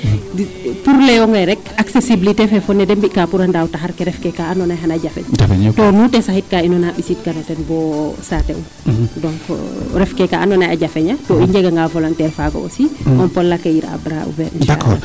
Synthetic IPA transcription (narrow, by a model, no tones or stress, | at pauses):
puɾlɛjɔŋɡaɾɛkaksesibilitefɛfɔnːɛdembikapuɾandawtaɦaɾkɛɾɛfkɛkaanɔnajɦanaɟafɛ̰ɲftɔnutɛsahit̚kainɔnaɓisit̚kanɔtɛnbɔsatɛ̰u | dɔŋkɾɛfkɛkaʔanɔnajaɟafɛɲatɔiɲɟɛɡɐŋɡavɔlɔntɛɾfaɡɔ̰ɔ̰siɔnpɔlːakːɐjiɾa̰bɾa̰ṵvɛɾḭnʃa̰kːɔ